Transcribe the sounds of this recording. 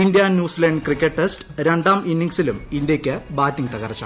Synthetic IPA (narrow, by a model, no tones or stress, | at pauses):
ind̪ijaːnnjuːsilɐɳɖkrikʲːeʈːesʈɾe̞ɳɖaːminːiŋsilumind̪jɐkʲːɨbaːtːiŋt̪ɐɣɐrɐt͡ɕːa̰